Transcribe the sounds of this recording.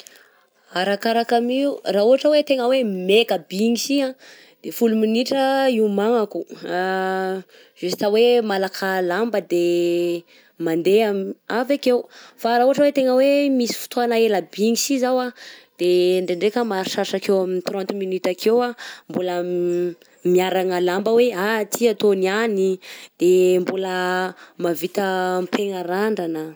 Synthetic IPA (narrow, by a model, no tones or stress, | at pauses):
aɾakaɾakamiurauɦaʈ͡ʂəwet̪eŋəwemekəbiŋisiã | d̪̥efuluminiʈ͡ʂəiumaŋakua | ʒ̥esi̥t̪awemalakʰalambəd̪e | mand̪eamavakewfaɾauɦaʈ͡ʂəwet̪eŋəwemisi̥fu̥t̪ʰoanaelabiŋisizawad̪̥eɳɖ͡ʐeɳɖ͡ʐekəmaɾiʃaʃakewaminit̪ɾɔ̃nt̪minyt̪akʰewambulə | miaɾaŋəlambəweat̪ʰiat̪onianid̪̥embuləmavit̪əmpʰeŋaɾaɳɖ͡ʐanə